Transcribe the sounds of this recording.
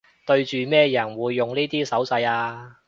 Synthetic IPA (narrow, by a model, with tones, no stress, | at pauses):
t̪ɵ˧ɥt͡ʃyː˨mɛː˥jɐ˨˩nwuː˨˧jːʊ˨ŋniː˥t̪iː˥sɐ˨˥wsɐ˧jaː˧